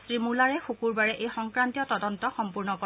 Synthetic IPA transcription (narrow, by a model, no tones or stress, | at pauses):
sɹimulaɹɛxukuɹbaɹɛʔejxɔŋkɹantijɔtɔdɔntɔxɔmpuɹnɔkɔ